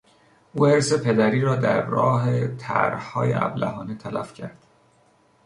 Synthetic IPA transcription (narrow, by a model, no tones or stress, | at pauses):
ʔuːheɾse̞pʰe̞d̪æɾiːɾɒːd̪æɾːɒːɦe̞t̪ʰæ̰ɾhɒːjḛʔæ̰blæ̰ɦɒːnet̪ʰælæfcʰæɾd̪̥